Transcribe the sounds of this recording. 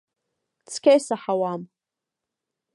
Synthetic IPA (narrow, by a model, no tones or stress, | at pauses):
t͡sʰkʲʰejsaħawam